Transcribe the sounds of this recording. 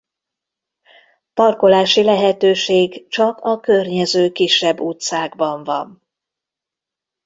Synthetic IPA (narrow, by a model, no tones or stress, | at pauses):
pɒrko̞laːʃilɛɦɛt̪øːʃeːɡt͡ʃɒkɒkø̞rɲɛzøːkiʃːɛbːuːt̪saːɡbɒɱvɒ̰n